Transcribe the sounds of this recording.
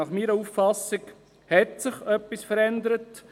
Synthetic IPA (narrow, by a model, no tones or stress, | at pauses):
ɑχmiːɾəuffɑsɪɡ | hɛtsɪχœpːisfəɾɛnd̪əɾət